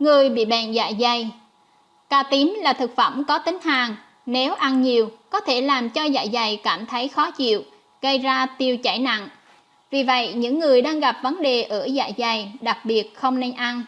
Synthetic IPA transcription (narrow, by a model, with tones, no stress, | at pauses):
ŋɨ˨˩əjɓḭ˧˨ɓɛ˧˨nza̰ː˧˨jza˨˩j | kaː˧t̪i˨˦mlaː˨˩t̪ʰɨ˨˩k̚fə˧˩mkɔ˨˦t̪ï˨˦ŋ̟haː˨˩ŋ | ne˨˦wʔa˧nɲi˨˩əwkɔ˨˦t̪ʰe˧˩laː˨˩mt͡ɕɔ˧za̰ː˧˨jza˨˩jkaː˧˩mt̪ʰə˨˦jxɔ˨˦t͡ɕḭ˧˨əw | ɣə˧jzaː˧t̪i˧əwt͡ɕa˧˩jna̰˧˨n | vi˨˩və̰˧˨jɲɨ̰˧˥ŋːɨ˨˩əjɗaː˧ŋɣa˨˩p̚və˨˦nɗe˨˩ʔəː˧˩za̰ː˧˨jza˨˩jɗa˨˩k̚ɓi˨˩ət̚xə˧wŋ͡mne˧nʔa˧n